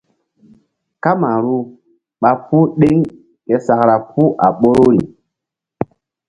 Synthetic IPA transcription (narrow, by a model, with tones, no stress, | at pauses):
ka˦ma˨ɾu˦ | ɓa˦pu˦ɗe˦ŋ | ke˨sa˨kɾa˨pʰu˦ʔa̰˨ɓo˦ɾo˦ɾi˨